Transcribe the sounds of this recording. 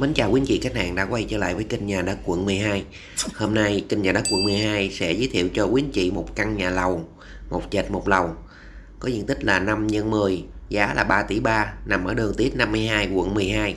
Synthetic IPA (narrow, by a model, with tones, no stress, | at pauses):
mə˨˦nt͡ɕaː˨˩wkwi˨˦ənt͡ɕḭ˧˨ka˧˥jŋ̟ha̰ː˧˨ŋɗa̰ː˧˥kwa˧jt͡ɕə̰ː˧˦la̰ː˧˨jvəː˨˦jkï˧ŋ̟ɲaː˨˩ɗə˨˦˥kwə̰˧˨nmɨ˨˩əjɦaː˧j | ho˧mna˧jki˧ŋ̟ɲaː˨˩ɗa˨˦˥kwə̰˧˨nmɨ˨˩jɦaː˧jsɛ̰˧˥zɨː˨˦t̪ʰḭ˧˨əwt͡ɕɔ˧kwi˨˦ənt͡ɕḭ˧˨mo˨˩t̚ka˧ŋɲaː˨˩lə˨˩w | mo˨˩t̚zəː˨˩t̚mo˨˩t̚lə˨˩w | kɔ˨˦zɨ̰˧˨ŋt̪ï˦˥k̟̚laː˨˩na˧mɲə˧nmɨ˨˩əjzaː˨˦laː˨˩ɓaː˧t̪i˧˩ɓaː˧na˨˩mʔəː˧˩ɗɨ˨˩əŋt̪i˦˥ət̚na˧mːɨ˧əjɦaː˧jkwə̰˧˨nmɨ˨˩əjɦaː˧j